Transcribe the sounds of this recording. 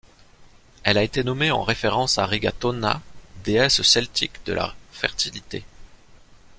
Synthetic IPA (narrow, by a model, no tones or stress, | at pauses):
ɛlaet̪enɔmeɑ̰̃ʁefeʁɑ̃saʁiɡat̪ɔna̰d̪eɛssɛlt̪ʰikd̪əlʔa̰fɛ̰ʁt̪ilit̪ḛ